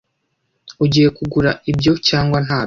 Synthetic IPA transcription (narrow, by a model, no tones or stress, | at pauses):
uɟiːje̞kuɡuɾaibɟo̞caːŋɡwan̥haː